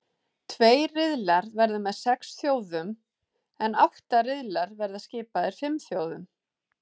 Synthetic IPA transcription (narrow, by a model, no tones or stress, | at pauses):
t̪ʰveːjrɪðlaɾðvɛɾðʏmɛðsɛksθjoːwðʏm | ɛnawht̪aɾɪðlaɾðvɛɾðascɪːpaðɪɾ̥fɪmθjoːwðʏm